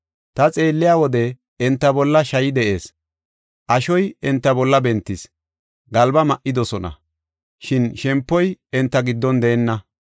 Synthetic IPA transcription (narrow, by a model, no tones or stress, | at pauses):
t̪ɐt͡sʼe̞ːlːɪjaːwɔd̪ɛ | ɛnt̪ːɐbɔlːɐʃɐjɪd̪ɛʔe̞ːs | ʔɐʃɔjɛnt̪ːɐbɔlːɐbɛnt̪ːɪs | ɡɐlbɐmɐʔːɪd̪ɔsɔnɐ̰ | ʃɪnʃɛmpːɔjɛnt̪ːɐɡɪd̪ːɔnd̪eːɛnːɐ